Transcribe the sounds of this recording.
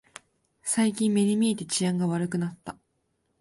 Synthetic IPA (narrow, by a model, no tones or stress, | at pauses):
saikʲĩmːe̞ɲ̟imʲie̞t̪e̞t͡ɕiãŋɡaβaɾɯ̟kɯ̟nat̪ːa